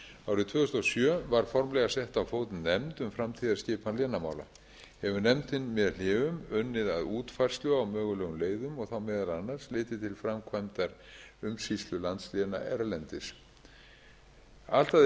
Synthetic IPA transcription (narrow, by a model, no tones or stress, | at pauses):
aːwɾɪðt̪ʰv̥œːðʏst̪asjœːvaɾ̥fɔɾmlɛɣasɛht̪awfoːwt̪nnɛmt̪ʏmfɾamt̪ʰiːðaɾ̥scɪːpʰanlɛːnama̰ːwla̰ | hɛvʏnɛmt̪ɪnmɛðl̥ɪːvʏmœnːɪða̰ðuːt̪fajr̥st̪lʏawmœːɣʏlɛːɣʏmleːjðʏmɔɣθawmɛːðalanːar̥slɪːt̪ɪt̪ʰɪlfɾamkʰvajmt̪aɾʏmsist̪lʏlant̪slɛːna̰ʔɛɾlɛnt̪ɪs | al̥t̪a